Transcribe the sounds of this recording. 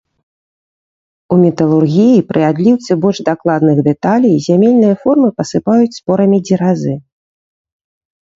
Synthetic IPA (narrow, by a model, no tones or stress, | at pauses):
umʲɛt̪ɐlˠurɣʲijipɾɨad̪lʲiwt̪sɨbɔlʲʐd̪aklˠad̪nɨɣd̪ɛt̪alʲijzʲamʲelʲnɨjɐfɔrmɨpɐsɨpajut͡sʲspɔɾɐmʲid͡zʲiɾazɨ